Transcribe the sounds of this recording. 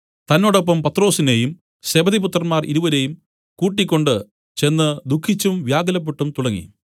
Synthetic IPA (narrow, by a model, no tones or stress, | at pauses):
t̪ɐnːo̞ːɽop̬ːɐmpɐt̪ːro̞ːsine̞ːjum | sebɐðiput̪rɐnmaːrḭɾuʋɐɾe̞ːjum | kuːʈːikʲːo̞ɳɖɨ | t͡ɕe̞nːɨd̪ukʰːit͡ɕːumʋjaːɡɐlɐp̬ːuʈːumt̪uɽɐŋːḭ